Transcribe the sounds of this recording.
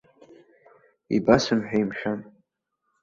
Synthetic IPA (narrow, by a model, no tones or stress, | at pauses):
ḭbasɨmħᶣajmʃᶣan